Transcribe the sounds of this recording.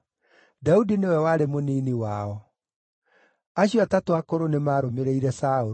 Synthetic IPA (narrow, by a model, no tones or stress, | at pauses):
daudinewɛwaːɾemoniːniwaːɔ | aɕjoatatoakoɾonemaːɾomeɾeiɾɛsaːoɾ